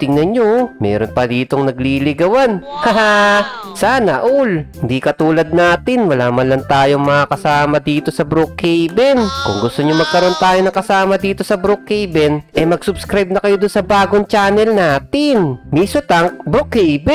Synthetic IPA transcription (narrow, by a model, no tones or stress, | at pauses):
t̪ɪŋnɐnɲomɛ̰ːɾonpɐd̪iːt̪o̞ŋnɐɡ̚liːlɪɡɐwanha | saːnɐʔulhɪnd̪ikɐt̪uːlɐd̪̚naːt̪ɪnwɐlaːmɐnlɐŋt̪aːjoŋmɐakɐsaːmɐd̪iːt̪o̞sɐbɾok̚hɛjbɛnkʊŋɡʊst̪oɲomɐɡ̚kɐɾo̞nt̪aːjonɐŋkɐsaːmɐd̪iːt̪o̞sɐbɾokhɛjbɛnʔɛmɐɡsʊbskɾajb̚nɐkɐjod̪ʊnsɐbaːɡoŋt͡ʃaːnɛlnaːt̪ɪnmiːsot̪ɐŋbɾokhɛjbɛ